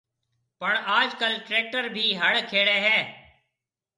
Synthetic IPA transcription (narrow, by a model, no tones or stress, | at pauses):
pəɳaːd͡ʒkəlʈɾeːk̚ʈəɾbʱiːɦəɽkʰeːɽeːɦɛː